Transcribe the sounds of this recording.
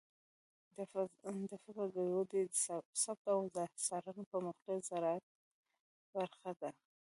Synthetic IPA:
d̪əfɪkəld̪əlod̪esab̚t̪awd̪əsɑɾanpəmʊxqezaɾɑat̪̚ | baɾxad̪a

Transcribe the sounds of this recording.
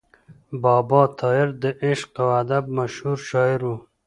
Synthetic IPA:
bɑːbɑːt̪ʰɑɪɾd̪əʔɪʃqawad̪ab̚maʃhuɾʃɑːɪɾu

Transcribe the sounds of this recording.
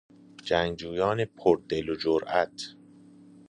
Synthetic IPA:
d͡ʒæŋd͡ʒuːjɒːnepʰoɾd̪elod͡ʒoɾʔæt̪ʰ

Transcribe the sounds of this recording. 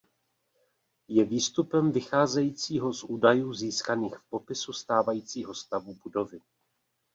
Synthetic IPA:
jɛviːst̪upɛmvɪxaːzɛjiːt͡siːɦo̞zʔuːdajuːziːskaniːxfpo̞pɪsust̪aːvajiːt͡siːɦo̞st̪avubudo̞vɪ

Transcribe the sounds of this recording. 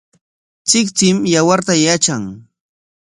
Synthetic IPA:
t͡sɪkt͡sɪmjawaɾt̪ajat͡ʃaŋ

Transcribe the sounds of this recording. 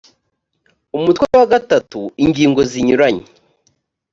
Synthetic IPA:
umutwewaɡatatuiŋɟiːŋɡo̞ziɲuɾaɲe

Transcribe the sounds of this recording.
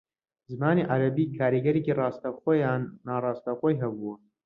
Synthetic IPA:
zɨmaːniʔaɾɐbiːkʰaːɾiɡɐɾecirɑːst̪ɐxoːjaːnːaːrɑːst̪axoːjɦɐbuɐ

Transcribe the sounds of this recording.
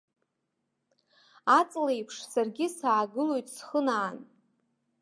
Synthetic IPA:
at͡sʼlejpʰʂsarɡʲɪsaːɡɨlo̞jtʼsχənaːn

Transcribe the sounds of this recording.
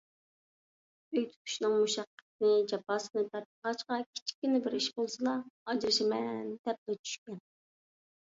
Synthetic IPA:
øjt̪ʰy̥k̪ʲʰy̥ʃnɨŋmuʃɑqːə̥t̪̚nɪd͡ʒɑpɑːsɨnɨt̪ʰɛp̪̚əʁɑt͡ʃqɑkʲʰi̥t͡ʃʰi̥kʲːynɪbɪɾiʃbolˠsɨlˠɑɑd͡ʒɾɨʃimɛnd̪ɛp̚lɛt͡ʃʰy̥ʃkʲɛn

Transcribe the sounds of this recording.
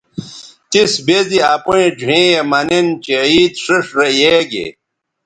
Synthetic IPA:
t̪isbediapuẽd͡ʑuẽjemɐnent͡ɕeiːt̪ʂiʂɾejeɡḛ

